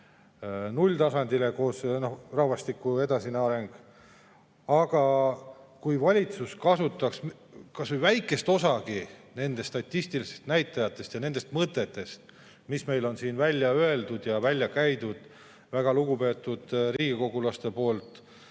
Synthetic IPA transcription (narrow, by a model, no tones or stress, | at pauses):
nulʲt̪ɑsɑnd̪ileko̞ːsnohrɑhvɑst̪ikːue̞d̪ɑsinɑɾe̞ŋɡ̥ | ɑɡ̥ɑ | kujvɑlʲit̪suskɑsut̪ːˑɑks | kɑsvejvæjkːˑe̞st̪o̞sɑɡine̞nd̪e̞st̪ɑt̪ʲːist̪ilisest̪næjt̪ːˑɑjɑt̪ːˑe̞st̪jɑne̞nd̪e̞st̪mɤt̪ːˑe̞t̪ːe̞st̪ | misme̞jlo̞nsiːnvælʲːjɑøe̞ld̪ud̪̥jɑvælʲːjɑkæjd̪ud̪̥ | væɡ̥ɑluɡ̥upe̞ːt̪ːˑud̪̥riːɡ̥iko̞ɡ̥ulɑst̪e̞po̞ːlt̪ˑ